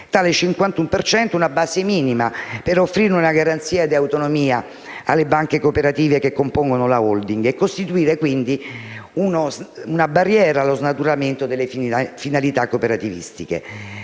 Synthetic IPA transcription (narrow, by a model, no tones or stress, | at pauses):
t̪aːlet͡ʃiŋkwant̪umpert͡ʃɛnt̪ounabaːsemiːnimapeɾofːɾirnunaɡaɾant̪siːad̪iawt̪onomiːa | alːebaŋkekopeɾat̪iːvekekːompoŋɡonolaold̪iŋɡekːost̪it̪uiːɾekwind̪iunozunabarːjɛːɾalːoznat̪uɾament̪od̪elːefinalit̪akːopeɾat̪ivḭst̪ikḛ